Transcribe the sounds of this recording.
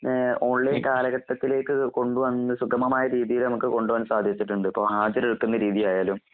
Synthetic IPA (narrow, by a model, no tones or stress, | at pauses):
oɭːekaːlɐɣɐt̪ːɐt̪ːile̞ːkːɨko̞ɳɖuʋɐnːsuɡɐmɐmaːjɐɾiːðijilnɐmukːɨko̞ɳɖuʋɐnːsaːd̪ʱit͡ɕːiʈːuɳɖɨpːo̞ːɦaːd͡ʑɐɾeɽukːunːɐɾiːðijaːjaːlum